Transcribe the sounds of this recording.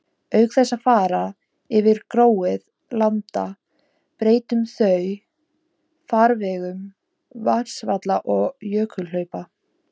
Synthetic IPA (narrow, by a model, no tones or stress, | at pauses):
œɥkθɛsːafaːɾa | ɪvɪɾkɾoːwɪð | lant̪a̰ | pɾeːjt̪ʏmθœɥ | faɾvɛɣʏm | van̥svat̪laʔɔɣjœːkʰʏlœɥpa